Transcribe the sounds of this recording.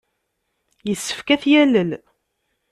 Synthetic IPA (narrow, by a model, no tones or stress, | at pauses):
jəsːə̥fkæθjæləl